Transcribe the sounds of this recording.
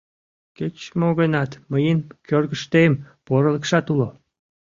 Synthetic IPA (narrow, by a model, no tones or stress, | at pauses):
ket͡ɕmoɣənɑt̪məjənkørɣəʃt̪em | poɾələkʃɑt̪ulo